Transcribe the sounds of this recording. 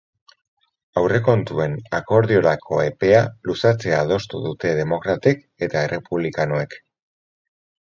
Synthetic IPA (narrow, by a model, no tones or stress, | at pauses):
awre̞ko̞nt̪ue̞nako̞ɾðio̞ɾakʰo̞e̞pe̞alusat͡se̞aːð̞o̞st̪ṵðut̪e̞ðe̞mo̞kɾat̪ek | e̞t̪ae̞re̞puβ̞likanoe̞k